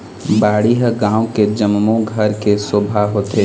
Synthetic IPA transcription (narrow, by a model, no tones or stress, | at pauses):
baːɽiɦəɡãːõked͡ʒəmːõɡʱəɾkesobʱaɦot̪eː